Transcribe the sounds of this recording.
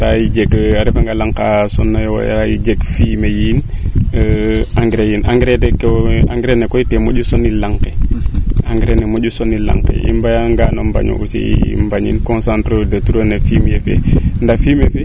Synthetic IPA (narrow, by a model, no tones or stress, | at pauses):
tajid͡ʒekaɾefaŋɡalaŋkasɔnːajw̰ja̰jḭd͡ʒeɡfiːmejiːn | aŋɡɾejinaŋɡɾeteka̰ŋɡɾenekɔitemoɟusonːilaŋke | aŋɡɾenemod͡ʒusonːilã̰ŋkḛʔḭmbajaŋɡanomba̰ɲo̰ʔusḭmbaɲḭnkonsantɾodatuɾonafiːmjefḛndafimefe